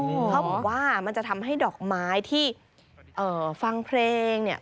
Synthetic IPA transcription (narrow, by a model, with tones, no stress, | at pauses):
kʰa˦˥wbɔː˩˨˩waː˥˩ma˧nt͡ɕa˨˩ʔt̪ʰa˧mɦa˥˩jdɔː˨˩k̚maː˦˥jt̪ʰiː˥˩ | ʔɤː˨˩fa˧ŋpʰleː˧ŋni˥˩ɐ